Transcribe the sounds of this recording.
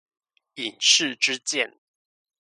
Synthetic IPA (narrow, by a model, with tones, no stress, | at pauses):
i˨˩nʂɻ̩˥˨ʈ͡ʂɻ̩˦t͡ɕjɛ˥˨n